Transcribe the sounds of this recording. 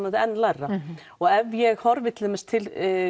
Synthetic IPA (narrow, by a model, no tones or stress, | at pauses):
maðɪɛnːlarːa | ɔɣɛvjɛɣhɔɾvɪt̪ʰlɪɛmɪst̪ʰɪl